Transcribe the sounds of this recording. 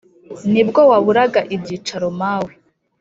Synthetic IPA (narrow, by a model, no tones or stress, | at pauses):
nibɡo̞waβuɾaɡaʔibɟiːt͡ʃaɾomaːwe